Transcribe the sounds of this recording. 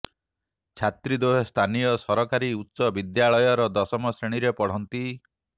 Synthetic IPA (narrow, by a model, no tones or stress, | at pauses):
t͡ʃʰat̪ɾid̪oɦest̪ʰanijɔsɔɾɔkaɾiut̪ːsɔbid̪jaɭɔjɔɾɔd̪ɔsɔmɔsɾeɽ̃iɾepɔɽ̤ɔnt̪i